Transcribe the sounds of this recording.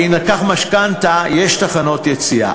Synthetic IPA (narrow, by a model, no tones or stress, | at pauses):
inakaχmaʃkant̪ajeʃt̪aχano̞t̪jet͡sia̰